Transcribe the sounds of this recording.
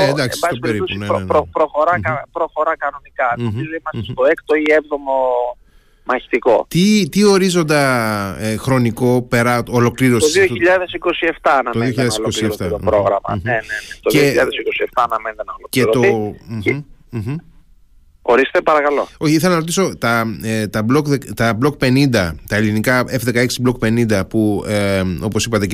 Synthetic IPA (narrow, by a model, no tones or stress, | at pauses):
neend̪ɐkssssbɐstospeeɾɾit̪osuinepɾopɾo̞xo̞ɾɐkɐpɾo̞xo̞ɾɐkɐno̞nikɐnizoimɐsest̪o̞ekt̪oievðomo | mɐçi̥t̪iko̞t̪it̪io̞ɾizo̞nd̪ɐ | xɾo̞niko̞pe̞ɾɐolo̞kliɾosoðioçiʎɐðesiko̞sie̞ft̪ɐːnɐmoðioçiʎɐðessosieɾft̪ɐopɾoɣɾɐmɐ̰nenenet̪oðeioçiʎːɐðesikosieft̪ɐːnɐmend̪enɐolokceɾot̪oim̩ | oɾiset̪epɐɾɐkɐlo̞oçiiθelɐnɐɾot̪iso̞t̪ɐet̪ɐblokðekt̪ɐblo̞k̚pe̞nind̪ɐt̪ɐelinikɐefðe̞kɐeksiblok̚pe̞nind̪ɐpueo̞posipɐt̪e̞